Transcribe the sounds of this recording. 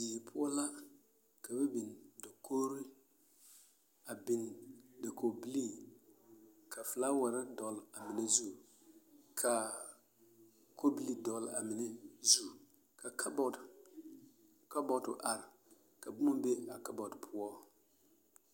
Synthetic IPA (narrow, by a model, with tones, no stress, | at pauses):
biː˨pʰʊ˦ɔ˦la˦ | kʰa˨bɛ˦bi˨ndɔ˨kʰo˦ɾi˦ | a˨bɪ˨n˨dɪ˨ko˨bi˦li˦˨ | kʰa˨fɨ˨la˦wa˨ɾɪ˦dɔ˨˦la˨mɪ˨nɛ˦zu˦˨ | kʰa˨ | kʰo˦bi˨li˨dɔ˨la̰˨mɪ˨nɛ˦zu˦˨ | ka˨kbɔ˨ | ka˦bɔ˨tʊ̰˨ʔa˨ɾɪ˨ | ka˨bʊ˦ma˦be˦a˨ka˦bɔ˨dpʰʊ˦ɔ˦